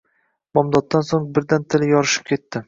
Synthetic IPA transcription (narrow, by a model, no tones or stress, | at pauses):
mɒmd̪ɒt̪ːansoŋbɪɾd̪ant̪ʰɪljɒɾɪʃɪ̥p̚kʲʰe̞t̪ːɪ